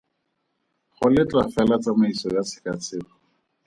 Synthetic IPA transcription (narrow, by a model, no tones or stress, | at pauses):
χʊlɪt͡ɬʼwafɛlat͡samaisɔjat͡sʰɪ̥kat͡sʰɪːχɔ